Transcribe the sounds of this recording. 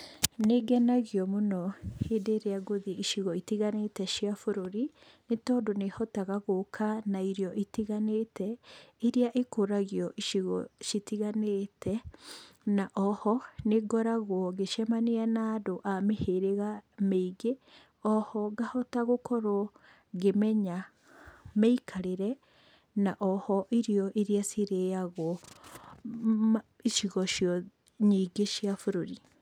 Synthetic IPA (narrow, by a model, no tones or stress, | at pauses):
neɡɛnaɣjɔmonɔhedeɾeaɡoðʔiʃiɣɔitiɣanetɛʃiafoɾoɾi | netɔːdonehɔtaɣaɣokʰanaiɾjɔʔitiɣanetɛeɾiaʔekoɾaɣiɔʔiʃiɣɔʃitiɣanetʰɛ | naʔɔhɔneɡɔɾaɣwɔɣeʃamaneanaːdoʔameheɾeɣameiɡe | ɔhɔɡahɔtaɣokɔɾo | ɡemɛɲa | meikʰaɾeɾɛ | naʔɔhɔʔiɾijɔʔiɾiasiɾejaɣɔ | iʃiɣɔʃjɔ | ɲiɡeʃiafuɾoɾi